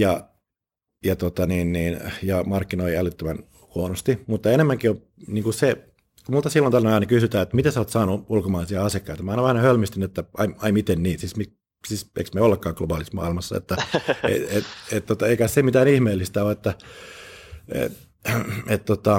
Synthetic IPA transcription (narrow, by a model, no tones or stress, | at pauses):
jɑ | jɑt̪ot̪ɑniːnniːnjɑmɑrkːinoiælyt̪ːømæn | huonost̪imut̪ːɑenemːæŋkio | niːŋkuse | kumult̪ɑsilːont̪ɑrnenɑˑinɑkysyt̪æːet̪ːmit̪esoːt̪sɑːnuulkomɑːlisiɑɑsiekːɑit̪ɑmɑinɑʋæhnhølmyst̪ynyet̪ːæʔɑiɑimit̪enniːt̪sismi | sisḛiksmeolːekːɑːŋklobɑːlismɑ̰ːilmɑsːɑ̰ḛt̪ːæḛet̪et̪t̪ot̪ɑeikæssemit̪æːnihmeːlːist̪æoet̪ːæ | ḛ | et̪t̪ot̪ɑ